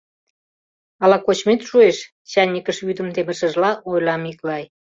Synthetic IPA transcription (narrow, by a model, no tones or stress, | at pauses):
ɑlɑkot͡ɕmet̪ʃueʃ | t͡ɕɑnʲːikəʃβyd̪ə̆mt̪eməʃə̆ʒlɑʔojlɑmiklɑj